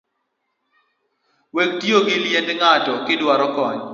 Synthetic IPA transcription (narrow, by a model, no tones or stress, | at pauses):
wek̚tjoɡɪljɛndŋatɔkɪdwaɾɔkɔɲ